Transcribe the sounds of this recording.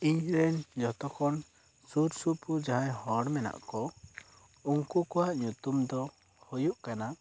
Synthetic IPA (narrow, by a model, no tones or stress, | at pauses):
iɲɾɛɲd͡ʒɔt̪ɔkʰɔn | suɾsupud͡ʒaɦajhɔɽmɛna̰ʔkɔ | uŋkukɔwaʔɲut̪umd̪ɔ | hojuʔkana